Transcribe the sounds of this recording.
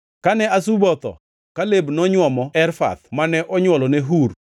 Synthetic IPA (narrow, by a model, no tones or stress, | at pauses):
kanɛasubɔt̪ɔ̰ | kalebnɔɲwɔmɔɛɾfa̰t̪manɛʔɔɲwɔlɔnɛɦur